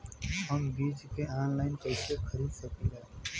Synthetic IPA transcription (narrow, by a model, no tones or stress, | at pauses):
ɦəmbiːd͡ʒkeaːnlaːɪnkɛːsexʰəɾiːd̪səkeɡɛː